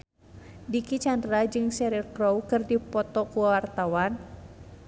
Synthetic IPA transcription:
dikit͡ʃandɾad͡ʒɨŋsɛɾirkɾowkɨrdipɔt̪ɔkuwawart̪awan

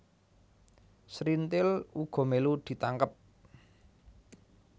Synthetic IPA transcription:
sɾint̪ɪluɡ̥ɔ̤melud̪̥i̤t̪aŋkəp̚

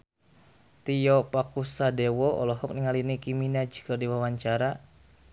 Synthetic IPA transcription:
t̪iɔpakusadɛwɔɔ̰lɔɦɔk̚niŋalinikiminad͡ʒi̥kərdiwawaɲt͡ʃaɾa

